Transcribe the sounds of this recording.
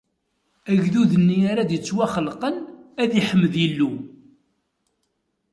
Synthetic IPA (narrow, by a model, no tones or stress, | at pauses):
æʝðuðənːiaɾad̪jət͡sːwaχəlqənæðiħəmːəðilːu